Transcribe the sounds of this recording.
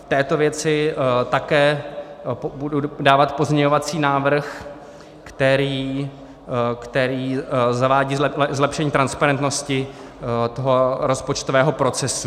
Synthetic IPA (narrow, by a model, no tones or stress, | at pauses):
ft̪ɛːt̪o̞vjɛt͡sɪt̪akɛː | bududaːvat̪po̞zmɲɛɲovat͡siːnaːvr̩x | kt̪ɛɾiː | kt̪ɛɾiːzavaːɟiːzlɛpʃɛɲiːt̪ɾanspaɾɛnt̪noscɪ | t̪oɦoɾo̞spot͡ʃt̪ovɛːɦo̞pɾo̞t͡sɛsu